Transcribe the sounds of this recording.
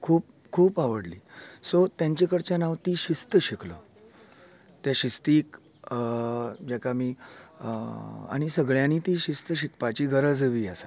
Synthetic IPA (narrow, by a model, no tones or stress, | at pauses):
kʰuːp | kʰuːpaʋəɽlḭːsot̪jãɲt͡ɕekəɽt͡ɕanaʋt̪iːɕist̪əɕiklə̰ | t̪jaɕist̪iːk | d͡ʑakamiː | a̰ɽ̃isəɡɭjãnit̪iːɕist̪əɕikpat͡ɕiːɡʱəɾəd͡zəʋiːasa